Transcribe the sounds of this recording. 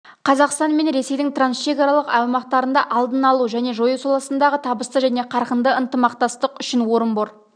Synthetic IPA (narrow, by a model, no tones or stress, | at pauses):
qʰɑzɑqst̪ɑnme̞nɾe̞se̞jd̪ɪŋt̪ransʃe̞kɑɾɑlˠəqɑwmɑqt̪ɑɾənd̪ɑʔɑlˠd̪ənɑlˠuʒæne̞ʒo̞jəsolˠɑsənd̪ɑʁət̪ʰɑbəst̪əʒæne̞qʰɑɾqənd̪əənt̪əmɑqt̪ɑst̪əqʏʃɪnwo̞ɾəmboɾ